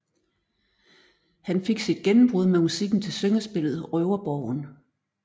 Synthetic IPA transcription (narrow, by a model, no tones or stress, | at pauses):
hænfe̝ɡ̥sid̥̚ɡ̥enm̩b̥ʁuð̞ˠmemusiɡ̥n̩t͡sʰe̝lsøŋɐsb̥e̝l̰ð̩ˠʁœʊɐb̥ɒʊ̰n